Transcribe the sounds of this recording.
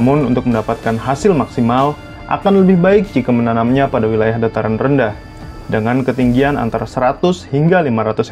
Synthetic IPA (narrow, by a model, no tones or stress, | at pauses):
mʊnunt̪ʊk̚məndapat̪̚kanɦasɪlmaksimal | ʔa̰kanləbɪhbaɪk̚d͡ʒikamənanamɲapadawilajahdat̪aɾanrəndah | dəŋankət̪iŋɡiana̰nt̪aɾasəɾat̪ʊshiŋɡalimaɾat̪ʊs